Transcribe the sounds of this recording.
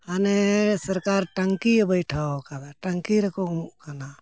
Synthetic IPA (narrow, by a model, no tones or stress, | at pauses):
anesəɾkaːɾʈəŋkibəjʈʰaokanaʈəŋkiɾɐkʰokana